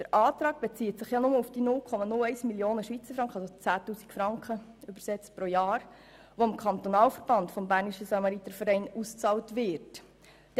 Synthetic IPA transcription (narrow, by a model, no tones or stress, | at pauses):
d̥əɾʔɑːt̪ɾɑːɡ̥̚b̥et͡siətsɪχjɑnʊməufd̥inʊlkʰɔmɑnʊlɛɪsmiljoːnəʃʋit͡səɾfɾɑŋkχəɑsot͡sæːtuːsi̥kfɾɑŋkχəʏbəɾsɛt͡stpɾojɑːɾ | ʋoɪmkʰɑnt̪onɑːlfəɾb̥ɑntfɔmbæːɾniʃəsɑmɑɾit̪əfəɾɛɪnust͡sɑːltʋɪɾt